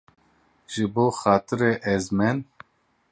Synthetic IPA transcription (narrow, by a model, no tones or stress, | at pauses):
ʒɨboːxɑːt̪ʰɨɾeʔɛzmɛn